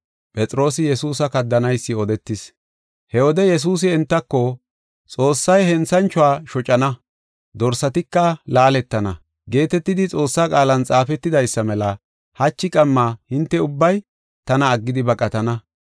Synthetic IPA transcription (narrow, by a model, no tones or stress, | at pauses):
pʼɛt͡sʼɾo̞ːsɪjɛsuːsɐkɐd̪ːɐnɐjsːɪɔd̪ɛt̪ːɪs | hɛwɔd̪ɛjɛs̬uːs̬ɪɛnt̪ːɐkːɔ | t͡sʼo̞ːsːɐjhɛnt͡sɐnt͡ʃʊaːʃɔt͡ʃʼɐnɐ | d̪ɔɾsɐt̪ɪkːɐlaːlɛt̪ːɐnɐ | ɡe̞ːt̪ɛt̪ːɪd̪ɪt͡sʼo̞ːsːaːkʼaːlɐnt͡sʼaːfɛt̪ːɪd̪ɐjsːɐmɛlɐ | hɐt͡ʃːɪkʼɐmːaːhɪnt̪ːɛʊbːɐj | t̪ɐnɐːɡːɪd̪ɪbɐkʼɐt̪ɐnɐ